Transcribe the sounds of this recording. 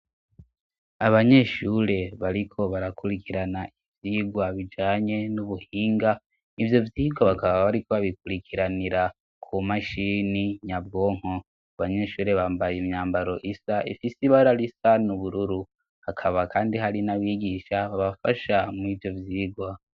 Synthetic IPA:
aβaɲe̞ːʃuːɾe̞βaɾikʰo̞βaɾakuɾikiɾanaʔivjiːɡwaβid͡ʒaːɲe̞nuβuhiːŋɡa | ivjo̞vjiːɡwaβakaβaβaɾikoβaβikuɾikʰiɾaniɾa | kʰumaʃiniɲab̚ɡo̞ːŋ̥ho | aβaɲe̞ʃuːɾe̞βaːmbajemɲaːmbaɾo̞ʔisaʔḭfisiβaɾaɾisanuβuɾuɾu | hakʰaβakaːndihaɾinaβiːɡiʃaβaβafaʃamivjo̞vjiːɡwa

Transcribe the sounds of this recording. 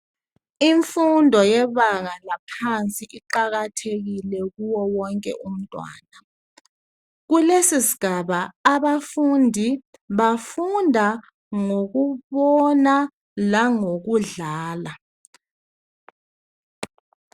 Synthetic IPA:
iɱfundʱɔjɛβaŋalapʰant͡sʼiʔiǃaɣ̬atʰek̬ilɛk̬uwɔwɔŋkʼɛ̰ʔum̩tʼwa̰ːna | k̬ulesisiɡ̥ʱaɓaːɓafundʱi | ɓafundʱa | ŋok̬uɓɔna | laŋok̬uɮaːla

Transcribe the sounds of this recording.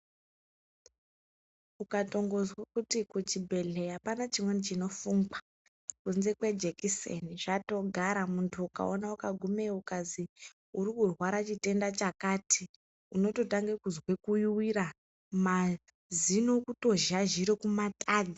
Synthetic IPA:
ukato̞ŋɡo̞zwakutikut͡ʃibʱe̞ɮe̞apanat͡ʃimwenit͡ʃino̞fuŋɡa | kunze̞kwe̞d͡ʒekisḛniʐ̥ato̞ɡʱaɾamuntʰuuka̰onaukaɡʱume̞ukazi | uɾikurwaɾat͡ʃite̞ndat͡ʃakaːtʰi | uno̞to̞taŋɡekuzwe̞kujuwiɾa | ma | zino̞kuto̞ʒaʒiɾokumataːd͡zi

